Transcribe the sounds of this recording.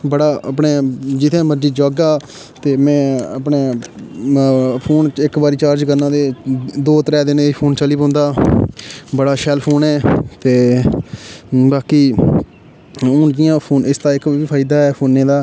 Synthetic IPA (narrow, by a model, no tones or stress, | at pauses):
bəɽaːəpɳeːd͡ʒɪt̪ʰẽːməɾd͡ʒiːd͡ʒɔːɡaː | t̪eːmɛ̃ːəpɳeː | pʰoːnɪkbaːɾiːt͡ʃaːɾd͡ʒkəɾnãːd̪eːd̪oːt̪əɾɛːd̪ɪneːiːpʰoːnt͡ʃəliːpɔ̃ːnd̪aː | bəɽaːʃɛːlpʰoːnɛːt̪eː | baːkiː | ʊːnd͡ʒɪjãːpʰoːnʔɪst̪aːɪkːiːpʰaːɪd̪aːɛːpʰoːnːẽːd̪aː